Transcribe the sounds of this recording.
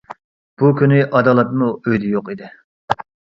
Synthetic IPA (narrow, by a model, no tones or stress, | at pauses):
b̥ukʲynɪʔɑd̪ɑːlˠɛt̪muøjd̪ɪjoqid̪ɪ